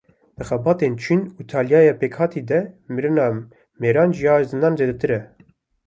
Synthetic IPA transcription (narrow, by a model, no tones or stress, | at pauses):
d̪̥ɨxɛbɑːt̪ent͡ʃʰinut̪ʰɑːljɑːjepeːkhɑːt̪ʰid̪ɛmiɾɨnɑː | meːɾɑːnʒijɑːzɨnɑːnzeːd̪ɛt̪ɨɾɛ